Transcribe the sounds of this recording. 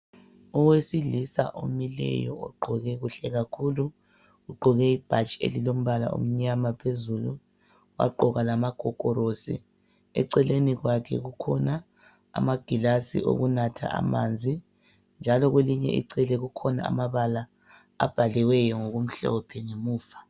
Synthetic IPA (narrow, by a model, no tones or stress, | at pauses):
ɔwesiɮisa̰ʔo̰milɛ̰jɔ̰ɔɡ͡ǃʱɔɣɛɣuɬɛɣakʰulu | ɣuɡ͡ǃʱɔɣɛib̥ʱat͡ʃʼḛlilom̩βala̰ṵm̩ɲamapʰezulu | wa̰ɡ͡ǃɔɣalamaɡ̥ʱɔkʼɔɾosḭ | ɛ̰ǀɛleniɣwakʰɛ̰ɣukʰɔna̰ː | maɡ̥ʱilasḭʔo̰ɣunatʰa̰ʔa̰mand͡zʱi | nd͡ʒʱalɔɣweliɲɛ̰ʔḭǀɛlɛɣukʰɔna̰amaβala | a̰b̥ʱalɛwɛjɔŋoɣum̩ɬɔ̰ɔpʰɛŋemuːfḁ